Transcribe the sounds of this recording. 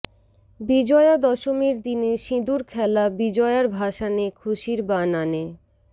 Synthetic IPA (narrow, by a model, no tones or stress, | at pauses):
bid͡ʑɔead̪ɔʃomeɾd̪ineʃĩd̪uɾkʰɛlabid͡ʑɔeaɾbʱaʃanekʰuʃiɾbanane